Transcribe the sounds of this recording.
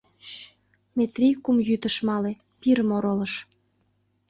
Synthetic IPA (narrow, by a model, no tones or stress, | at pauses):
met̪rʲijkumjyt̪ə̆ʃmɑle | piɾəmoɾoləʃ